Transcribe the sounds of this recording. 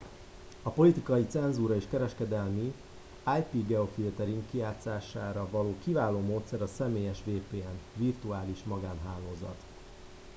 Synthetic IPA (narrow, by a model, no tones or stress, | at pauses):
ɒpo̞lit̪ikɒjit̪sɛnzuɾɒeːʃkɛɾɛʃkɛd̪ɛlmi | aːjpiɡɛo̞filt̪ɛɾiŋkkijaːt̪saːʃaːɾɒvɒloːkivaːloːmoːt̪sɛɾɒsɛmeːjɛʃʋeːpeːɛnvirt̪uaːliʃmɒɡaːnɦaːloːzɒ̰t̪